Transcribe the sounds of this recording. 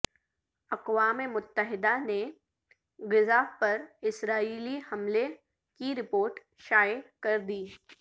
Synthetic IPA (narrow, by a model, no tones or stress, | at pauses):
ɐqwaːmemʊt̪ːəɦɪd̪ane | ɡɪzaːpɐɾɪsɾaːiːlihɐmle | kiɾɪpoːɾʈ | ʃaːjɪkɐɾd̪iː